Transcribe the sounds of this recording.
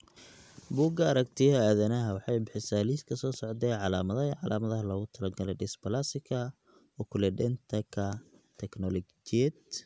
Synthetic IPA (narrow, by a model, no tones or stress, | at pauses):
buɡɐːɾɐkt̪ʰɪjɦɐaːðɐnɐɦɐwɑħɑjbɪħɪsaːliːskʰɐsɔːsɔʕd̪ɛːʕɑlaːmɐðɐʕɑlʔaːmɐðɐɦɐlɔɣʊt̪ʰɐlɐɡɐlɛɖɪsbɐlasɪkʰɐ | ɔkʰʊlɛɖɛnt̪ʰɐkʰɐt̪ʰɛknɔlɔɡt͡ʃiɛd̪